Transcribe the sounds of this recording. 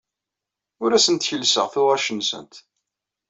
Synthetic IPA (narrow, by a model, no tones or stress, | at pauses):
ʊɾæsənt̪çəlsəʁθʊʁæʃənsə̰nt̪